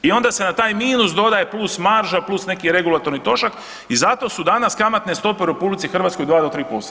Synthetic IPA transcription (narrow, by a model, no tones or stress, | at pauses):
io̞nd̪ase̞nat̪aːjmiːnusd̪o̞d̪aje̞plˠusmaɾʒaplˠusne̞kiɾe̞ɡulˠat̪o̞ɾnit̪o̞ʃak | izat̪o̞sud̪anaskamat̪ne̞st̪o̞peuɾe̞publit̪sixr̩ʋaːt̪sko̞jd̪ʋaːd̪ot̪ɾiːpost̪